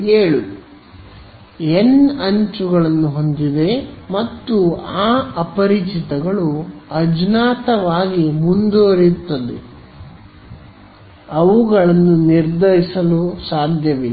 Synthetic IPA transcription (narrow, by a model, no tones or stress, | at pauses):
eːɭu | enɐɲt͡ʃuɡɐɭɐnːuɦo̞nd̪id̪e̞mɐt̪ːuaːɐpɐɾit͡ʃit̪ɐɡɐɭuɐd͡ʒnaːt̪ɐʋaːɡimund̪oːɾit̪ːɐd̪ḛ | ɐʋuɡɐɭɐnːuniɾd̪ʱɐɾisɐlusaːd̪ʱjɐʋe